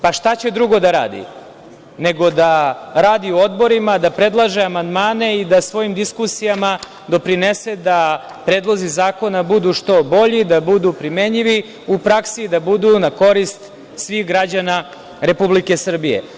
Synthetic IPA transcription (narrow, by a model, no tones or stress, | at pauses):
paʃt̪at͡ɕe̞d̪ɾuɡo̞d̪aɾa̰ːd̪ḭ | ne̞ɡo̞d̪aɾaːd̪iuo̞d̪bo̞ɾimad̪apɾe̞d̪lˠaʒeamand̪maːne̞id̪asʋo̞jimd̪iskusijama | d̪o̞pɾinesed̪a | pɾeːd̪lˠo̞zizaːko̞nabud̪uʂt̪o̞bo̞ʎid̪abud̪upɾime̞ɲiʋi | upɾaksid̪abud̪unako̞ɾist̪ | sʋixɡɾad͡ʑana | ɾe̞publike̞sr̩bije̞̰